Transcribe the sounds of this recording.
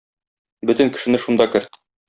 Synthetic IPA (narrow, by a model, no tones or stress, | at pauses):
bɵt̪ɘ̆ŋkɘ̥̆ʃɘ̆nɘʃund̪ɑkɘ̆ɾt̪